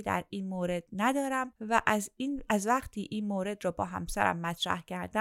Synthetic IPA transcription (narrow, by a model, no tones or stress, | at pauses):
d̪æ̰ɾiːnmoːɾe̞d̪̥̚næd̪ɒːɾæmvæʔæziːnæzvæqt̪ʰiːʔiːnmoːɾe̞d̪ɾɒːbɒːɦæ̰msæɾæ̰mːæt̪ʰɾæ̰hcʰæɾd̪æ